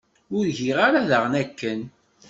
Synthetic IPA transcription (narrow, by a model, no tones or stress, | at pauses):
ʊɾʝiʁaɾaðəʁnækːən